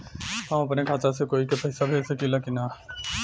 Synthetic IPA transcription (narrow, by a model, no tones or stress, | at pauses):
hɐ̃mɐpnekʰaːt͡ʃasekoːikepɐɦɪsabʱesekilakina